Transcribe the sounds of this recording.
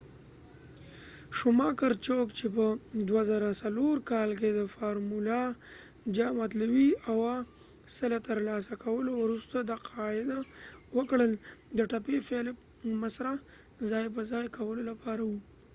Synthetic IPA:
ʃʊmɑkaɾt͡ʃokt͡ʃep̬əd̪wazaɾasaloɾkɑlked̪əfɑɾmula | d͡ʒamat̪lawiawa | səlat̪əɾlɑs̬akʰawəlowɾust̪ad̪aqʰɑɪd̪awəkɽəld̪əʈapefel | masɾa | zɑjp̬əzɑjkawəlolapɑɾawu

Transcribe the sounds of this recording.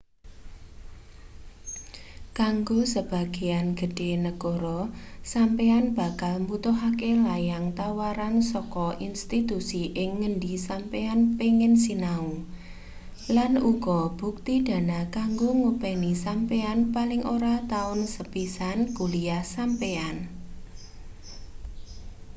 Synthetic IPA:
kaŋɡosəb̥a̤ɡ̥ejanɡ̥ə̤ɖ̥e̤nəkoɾɔsampeanb̥a̤kalmbut̪ʊɦakelajaŋt̪awaɾansɔkɔʔinst̪it̪usiʔɪŋːəɳɖisampeanpeŋɪnsinau | lanuɡ̥ɔb̥uk̚t̪id̪̥a̤nakaŋɡoŋupɛnisampeanpalɪŋʔoɾat̪aʊnsəpisankuliasampean

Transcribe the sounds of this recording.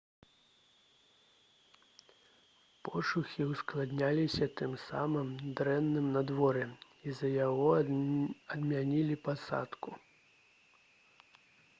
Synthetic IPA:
pɔʂuxʲiwsklˠad̪nʲalʲisʲɐt̪ɨmsa̰mɨmd̪ɾɛnːɨmnɐd̪vɔɾɛ | izɐjaɣɔ | ɐd̪mʲanʲilʲipasa̰t̪ku

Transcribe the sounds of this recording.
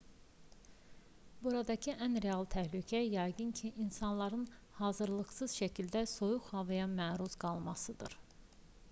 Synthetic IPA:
buɾɑd̪ɑcʰiʔænɾeɑlˠt̪ʰæhlycʰæjɑjɡɯncʰiʔinsɑnlˠɑɾɯnhɑːzɯɾlˠɯχsɯz̥ʃæcʰild̪æso̞juχhɑvɯjɑmæːɾuzɡɑlˠmɑsɯd̪ɯ̰ɾ

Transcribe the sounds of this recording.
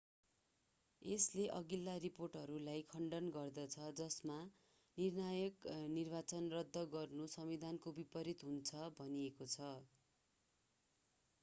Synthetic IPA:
esleʔʌɡilːariporʈɦʌɾulajkʰʌɳɖʌnɡʌrd̪ʌt͡sʰʌd͡zʌsma | nirnajʌknirbat͡sʌnrʌd̪ʱːʌɡʌrnusʌmid̪ʱankobipʌɾit̪ɦunt͡sʰʌbʱʌniekot͡sʰʌ

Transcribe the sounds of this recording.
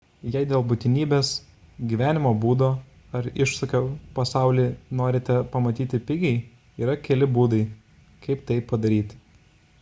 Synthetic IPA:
jɛɪd̪ʲeːlˠbʊt̪ʲɪnʲiːbʲeːs | ɡʲiːʋʲæːnʲɪmoːbuːd̪oː | ɐɾɪʃsɐkʲoːpɐsɑˑʊlʲiːnoːɾʲɪt̪ʲɛpɐmɐt̪ʲiːt̪ʲɪpʲɪɡʲɛɪ | iːɾɐkʲɛlʲɪbuːd̪ɐɪ | kɐɪpt̪ɐɪpːɐd̪ɐɾʲiːt̪ʲ

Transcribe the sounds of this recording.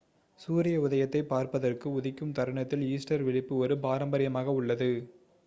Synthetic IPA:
suːɾɪjɐʊðɐjɐt̪ːɐɪpaːɾpɐðɐrkɯʊðɪkːɯmt̪ɐɾɐɳɐt̪ːɪliːsʈɐɾʋɪɭɪpːɯɔɾɯpaːɾɐmbɐɾɪjɐmaːɣɐʊɭːɐðɯ

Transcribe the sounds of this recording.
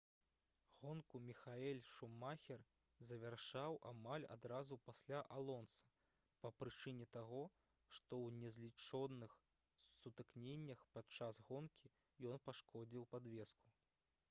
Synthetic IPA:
ɣɔnkumʲixaɛlʲʂumːaxʲɛr | zɐvʲarʂawʔamalʲa̰d̪ɾazupasʲlʲaʔalˠɔnsɐ̥ | pɐpɾɨt͡ʂɨnʲɛt̪aɣɔ | ʂt̪ɔwnʲɛzʲlʲit͡ʂɔd̪ːɨx | sut̪ɨknʲenʲːɐxpat͡ʂasɣɔnkʲʰi | jɔnpaʂkɔd͡zʲiwpad̪vʲɛsku̥

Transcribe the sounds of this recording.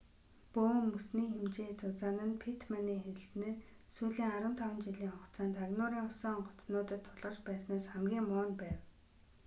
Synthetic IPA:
poːmːɵsniːxemt͡ɕeːt͡sʊt͡saːnə̆npʰit̪ʰmaniːxeɾɘ̆sɘ̆nɘ̆ | suːɮiːŋaɾwə̆nt̪ʰawə̆nt͡ɕiɮiːŋʊt͡saːnt̪ʰaɣnʊːɾiːŋʊsɔːɴɢʊ̥t͡snʊːt̪ə̆t̪ʰːʊɮʁə̆rt͡ɕpæːsnaːsχæmɡʲiːŋmʊːnpæːw

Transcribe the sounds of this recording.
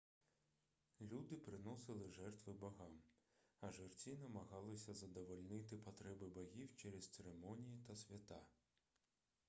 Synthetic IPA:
lʲud̪ɪpɾɪnɔsɪlˠɪʒɛrt̪ʋɪbɐɦɑmɐʒɪrt͡sʲinɐmɐɣɑlˠɪsʲɐzɐd̪ɔʋɔlʲnɪt̪ɪpɐt̪ɾɛbɪbɐɣʲiwt͡ʃɛɾɛst̪seɾemɔnʲijit̪ɐsʲʋʲɐt̪ɑ

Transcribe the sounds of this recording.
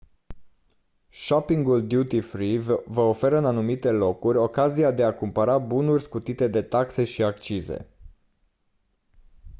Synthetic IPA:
ʃopiŋɡuld̪jut̪ifɾivvəofe̞ɾəɨnanumit̪e̞lo̞kurʲo̞kaziad̪e̞akumpəɾabunurʲskut̪it̪e̞d̪e̞t̪akse̞ʃiakt͡ʃize̞̰

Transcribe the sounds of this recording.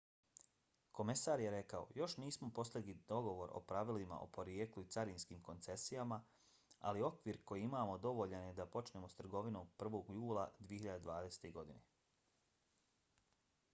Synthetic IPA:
ko̞me̞saːɾjeɾe̞kao̰jo̞ʃniːsmo̞po̞slʲeɡ̪id̪o̞ɡo̞ʋo̞ɾʔo̰pɾaʋilima̰ʔo̰po̞ɾjeːkluit̪saɾinskiːmko̞nt̪se̞sijama | a̰lio̞kʋiːɾko̞jiimaːmo̞d̪o̞ʋo̞ʎanjed̪apo̞t͡ʃne̞ːmo̞st̪r̩ɡo̞ʋino̞ːmpr̩ʋo̞ːɡjuːlˠad̪ʋije̞çiʎad̪ed̪ʋaːd̪ese̥t̪eɡo̞d̪ine

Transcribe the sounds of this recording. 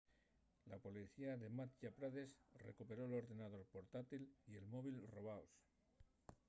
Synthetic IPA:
lapo̞liθiaðe̞mat̪̚ʝapɾaðe̞srḛkupe̞ɾo̞lo̞ɾðe̞nað̞o̞ɾpo̞ɾt̪at̪ilie̞lmo̞β̞ilro̞β̞aos

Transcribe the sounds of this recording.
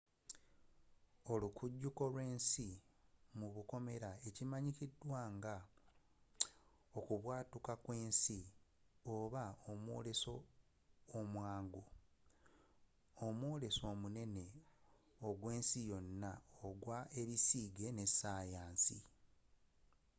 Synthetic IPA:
o̞lukʰuɟːuko̞lwe̞ːnsimuβuko̞me̞ɾae̞cimaɲicidːwaːŋɡa | o̞kuβwaːtukakwe̞ːnsi | o̞βaomwo̞̰ːle̞so̞ː | mwaːŋɡu | omwo̞ːle̞so̞ːmune̞ne̞ | oɡwe̞ːnsijo̞nːaoɡwae̞ɾisiːɡe̞ne̞saːjaːnsḭ

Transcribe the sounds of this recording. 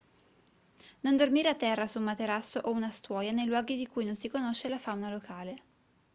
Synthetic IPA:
nond̪ormiːɾeat̪ːɛrːasumːat̪eɾasːoʔounast̪wɔːjanejlwɔːɡid̪ikujnonsikonoʃːelafawnalokaːle

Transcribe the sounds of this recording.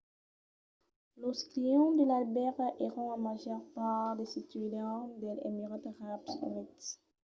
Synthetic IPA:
loskliɔ̃d̪əlalbɛʁeʁɔ̃ãmaʒœʁpaʁd̪esit̪ɥedɑ̃d̪elḛmiʁɔt̪ʁapsy̰nit̪

